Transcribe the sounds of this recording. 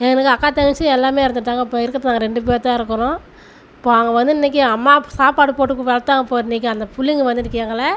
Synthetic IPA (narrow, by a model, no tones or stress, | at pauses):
ɛŋɡɐnɐkːɯɐkːaːt̪ɐŋɡɪt͡ʃːɯɛlːaːmeːɪɾɯnd̪ɯʈːaːŋɡɐɪpːoːɪɾɯkːɐðɯnaːŋɡɐɾɛɳɖɯp̬eːɾt̪ːãːɪɾɯkːɐnʊ̃ | ɪpːoːɐŋɡɐʋɐnd̪ɯɪnːɛk̬ʲːɯɐmːaːsaːpaːɽɯpoːʈːɯkːɯʋɛlɐt̪ːaːŋɐpːoːɪnːɛk̬ʲːɯɐnd̪ɐpʊlːɪŋɡɯʋɐnd̪ɯɾɯkːɪaːŋɡɐlɐ